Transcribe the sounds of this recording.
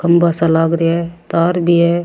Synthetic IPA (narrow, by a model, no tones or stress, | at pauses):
kɐmbasalaːɡɾiet̪aːɾbʱiɦɛ